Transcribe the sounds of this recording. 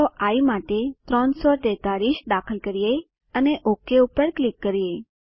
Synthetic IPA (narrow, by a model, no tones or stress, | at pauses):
oʔaimaʈet̪ɾɔnsɔʈɛt̪alisd̪akʰəlkəɾije | əneʔokeupəɾklikːəɾije